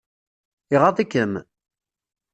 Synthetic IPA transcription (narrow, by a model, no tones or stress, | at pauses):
iʁɑðˤikːəm